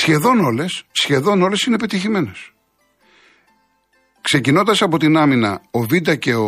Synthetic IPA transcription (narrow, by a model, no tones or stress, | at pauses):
sçe̞ðo̞no̞le̞sːçe̞ðo̞no̞le̞sine̞pe̞t̪içime̞nes | kse̞cino̞nd̪ɐsɐpo̞t̪inɐminɐ̰ovid̪ɐce̞o